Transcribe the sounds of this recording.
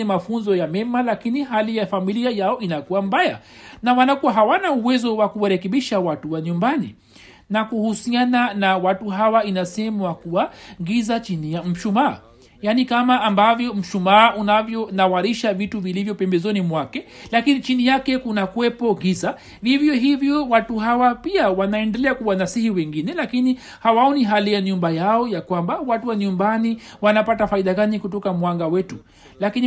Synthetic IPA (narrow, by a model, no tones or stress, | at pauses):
ɛmafunzɔjamɛmalakiniɦalijafamiliajaɔinakuwambaja | nawanakuwaɦawanauwɛzɔwakuwaɾɛkɛɓiʃawatuwaɲumbanḭ | nakuhusiananawatuɦawainasɛmwakuwaɣizat͡ʃinijam̩ʃumaː | janikamaːmbavjɔm̩ʃumaunavjɔnawaɾiʃavituvilivjɔpɛmbɛzɔnimwakɛlakinit͡ʃinijakɛkunakuwɛpɔɣiza | hivjɔɦivjɔwatuhawapiawanaɛndɛlɛakuwanasihiwɛŋɡinɛlakini | hawaɔniɦalijaɲumbajaɔjakwambawatuwaɲumbaniwanapatafaiɗaɡanikutɔkamwaŋɡawɛtu | lakin